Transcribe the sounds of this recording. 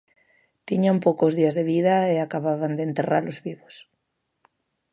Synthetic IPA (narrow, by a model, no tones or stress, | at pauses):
t̪iɲampowkozðiazðeβ̞iðaeakaβaβand̪ent̪era̰ɾlozβiβos